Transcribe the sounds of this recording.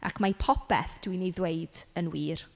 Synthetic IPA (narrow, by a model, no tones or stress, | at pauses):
ʔa̰kʰmapʰɔpɛ̰θd̥winejðweɨd̥ənwiːr